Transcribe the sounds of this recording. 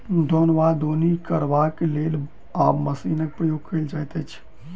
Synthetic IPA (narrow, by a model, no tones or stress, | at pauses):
d̪ʱonbad̪onikəɾbakelel | aməsinək̚pɾəjoɡ̚kəɪld͡ʒajt̪ət͡ʃʰ